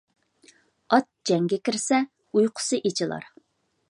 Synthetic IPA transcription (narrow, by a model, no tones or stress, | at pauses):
ɑt̪̚d͡ʒɛŋɡʲɛkʲiɾsɛ | ujqʰʊ̥sɨʔet͡ʃʰɪlˠɑ̰ɾ